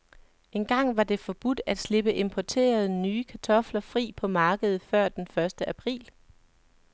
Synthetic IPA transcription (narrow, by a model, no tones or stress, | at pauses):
e̝nɡ̥ɑ̈ŋ̰ʋɑ̈d̥e̝fɒ̽b̥ud̥æd̥sle̝b̥əʔe̝mpʰɒt͡sʰe̝̰ːɐð̞ˠnyːkʰæt͡sʰɒ̽flɐfʁḭːpʰɒ̽mɑ̈ːɡ̥əð̞̩ˠfɶɐ̰d̥enfɶɐsd̥əʔæpʰʁḭːl